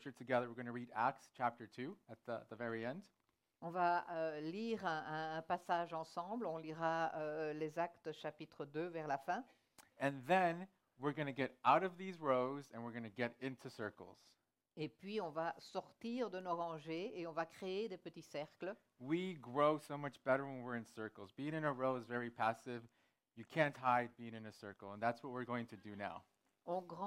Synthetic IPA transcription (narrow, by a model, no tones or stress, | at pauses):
t͡ʃə˞tʰɨɡɛðə˞wɨɹɡʌ̃ñɨɹiɾæ̰k̚tst͡ʃʰæp̚tə˞tʰʉɨt̪̚ðət̪̚ðəvɛɹiɛ̃nd | ɔ̃vaøliːʁɛ̃ɛ̃ːpasaːʒɑ̃sɑ̃blɔ̃liʁaølezak̚t̪ʃapit̪χəd̪øvɛʁlafɛ̃ | ɨ̃nðɨ̃n | wɪɹɡʌnɨɡɛɾaʊɾʌvðizɹoʊzɨ̃nwɨɹɡʌnɨɡɛɾɪ̃ntʰʉsɜ̰˞kl̩ˠz̥ | epɥiɔ̃vasɔʁt̪iʁd̪ənoʁɑ̃ʒeeɔ̃vakχeed̪epət̪isɛʁklə | wiɡɹoʊsoʊmʌt͡ʃb̥ɛɾə˞wə̃nwɪɹɨ̃nsɜ˞kl̩ˠzbiɪ̃ŋɨ̃nəɹoʊəzvɛɹipʰæsɪv | jɨkʰæ̃nʔɦaɪd̚biɪ̃ŋɨ̃nɨsɜ˞kl̩ˠə̃nðætswʌt̚wɪɹɡoʊɪ̃ŋtʰɨdɨnaʊ | ɔ̃ɡʁɑ̃